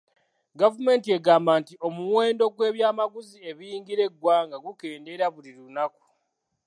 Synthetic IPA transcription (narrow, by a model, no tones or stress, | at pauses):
ɡavume̞ːntie̞ɡaːmbantio̞muwe̞ːndo̞ɡwe̞ːβjaːmaɡuzie̞βiiːŋɡiɾe̞ɡwaːŋɡaɡuke̞ːnde̞ɾaβuliɾunaku̥